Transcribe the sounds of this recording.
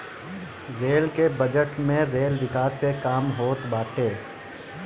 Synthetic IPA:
ɾeːlkebɐd͡ʒəʈmẽɾeːlʋɪkaːskekaːmɦoːt̪baːʈeː

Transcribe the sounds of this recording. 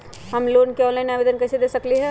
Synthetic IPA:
ɦɐmloːnkeɔ̃ːnlaɪnaːʋeːd̪ənkɛsed̪eːsɐkliɦɛ

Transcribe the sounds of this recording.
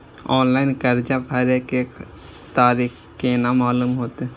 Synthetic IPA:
ɔːnlaːɪnkəɾd͡ʒapʰəɾeke | t̪aːɾiːk | keːnamaːluːmɦoːt̪e

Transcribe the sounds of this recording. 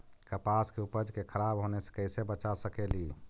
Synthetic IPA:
kəpaskeupəd͡ʒkekʰəɾabɦonese̥kəɪsebət͡ʃasəkeli

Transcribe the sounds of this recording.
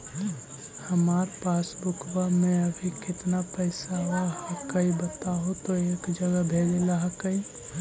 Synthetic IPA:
həmaːɾpaːsbʊkʰwamẽəbʱikɪt̪napəɪsaɦaəkəibət̪aɦot̪oeːkd͡ʒəɡəbʱeːlelaɦakəĩ

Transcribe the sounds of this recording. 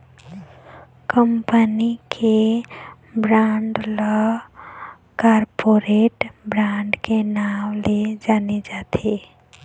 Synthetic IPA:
kəmpənikʰe | bɾaːɳɖla | kaːɾpoɾeːʈbɾãːɳɖkenaːmled͡ʒaːned͡ʒaːt̪ʰe

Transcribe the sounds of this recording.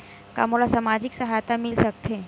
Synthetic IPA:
ka̰molasamad͡ʑiksəɦajt̪amilsək̚t̪ʰe

